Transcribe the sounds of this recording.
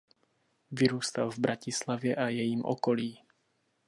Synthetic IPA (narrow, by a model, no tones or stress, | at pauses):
ʋiɾuːst̪alvbɾacislaʋjɛʔajɛjiːmʔɔ̰kɔliː